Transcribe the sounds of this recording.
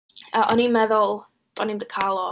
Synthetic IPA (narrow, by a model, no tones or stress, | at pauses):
əʔɔnimɛðʊlˠ | tʰʼɔnimdəkʰalˠɔ